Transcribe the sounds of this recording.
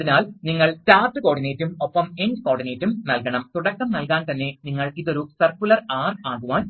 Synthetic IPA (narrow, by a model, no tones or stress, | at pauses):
inaːlniŋːɐɭtaːʈːɨko̞ːɖineːtːumopːɐmendko̞ːɽɖine̞ːtːumnɐlkɐɳɐmt̪uɽɐkːɐmnɐlkaːnt̪ɐnːe̞niŋːɐɭiðo̞ɾusɐrkːulɐraːraːɣuʋaːn